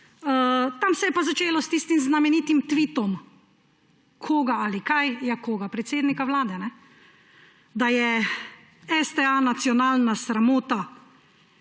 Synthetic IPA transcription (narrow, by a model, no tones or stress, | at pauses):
ət̪amsɛjɛpazat͡ʃeːlɔst̪ist̪imznamɛniːt̪imt̪ʋiːt̪ɔm | kʰoːɡaalikajjakoːɡapɾɛt̪seːd̪nikawlaːd̪ɛnɛ | d̪ajɛ | ɛst̪ɛanat̪sjɔnaːlnasɾamoːt̪a